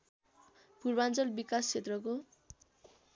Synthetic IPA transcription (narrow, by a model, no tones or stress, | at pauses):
purbant͡sʌlbikast͡sʰet̪rʌko